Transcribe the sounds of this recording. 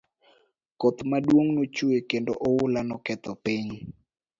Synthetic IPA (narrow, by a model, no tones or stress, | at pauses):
kɔt̪madwoŋnot͡ʃuekendo̰ʔɔwʊlanɔkɛt̪ɔpiɲ